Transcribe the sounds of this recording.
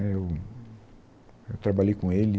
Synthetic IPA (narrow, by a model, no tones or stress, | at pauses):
ew | ewt̪ɾabaʎejkõelɪ